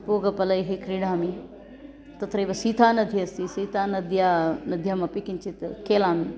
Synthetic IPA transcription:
poːɡɐpɐlɐjɦikɾiɽaːmi | t̪ɐt̪ʰɾɐjʋɐsiːt̪ʰaːnɐd̪ʱiɐst̪isiːt̪ʰaːnɐd̪ʱjaːnɐd̪ʱjaːmɐpikint͡ʃit̪keːlaːmi

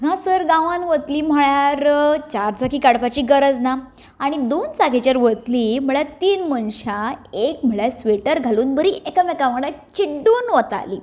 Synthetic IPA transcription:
ɡʱãsəɾɡãʋãnʋət̪liːm̤əɭjaɾt͡ɕaɾd͡zakiːkaɽpat͡ɕiːɡəɾəd͡zna | aɽ̃id̪onsaɡʱet͡ɕjaɾʋət̪liːm̤əɭjat̪iːnmənɕaekm̤əɭjasʋeʈəɾɡʱaluːnbəɾiekamɛkam̤əɽat͡ɕiɖːuːnʋət̪a̰lḭː

